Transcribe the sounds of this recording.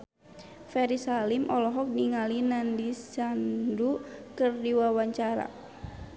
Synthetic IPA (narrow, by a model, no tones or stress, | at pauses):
fɛɾisalimʔɔlɔɦɔk̚niŋalinandisandukərdiwawaɲt͡ʃaɾa̰